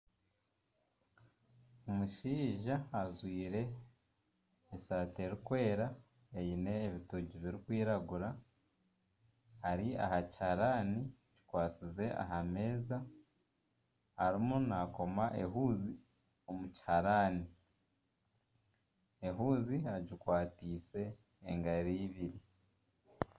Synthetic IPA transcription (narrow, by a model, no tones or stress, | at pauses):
omuʃiːʒaːzwiːɾe̞ | saːte̞ɾikwe̞ːɾa | ejine̞ːβituɟiβiɾikwiːɾaɡuɾa | haɾia̰hachaɾaːni | ɟi̥kwaːt͡size̞ʔa̰ɦame̞ːza | haɾimunako̞maʔe̞ɦuːzi | o̞muci̥haɾaːni | eɦuːzihaɟikwaːtiːse̞ː | ŋɡaɾiːβiɾi